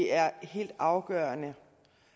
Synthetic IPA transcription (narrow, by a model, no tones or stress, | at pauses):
æɐhe̝̰ːld̥ɑ̈ʊɡ̥ɶːɐnə